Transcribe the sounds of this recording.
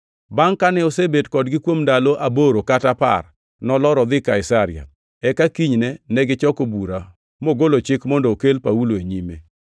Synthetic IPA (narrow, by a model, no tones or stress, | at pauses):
baŋkanɛosebetkɔdɡɪkwomndaloʔaboɾokatapa̰r | nɔlɔɾɔd̪ɪkaɪsaɾɪ̰a̰ | ɛkakiɲnɛnɛɡɪt͡ʃɔkobuɾa | moɡolot͡ʃɪkmɔndookelpauloeɲimḛ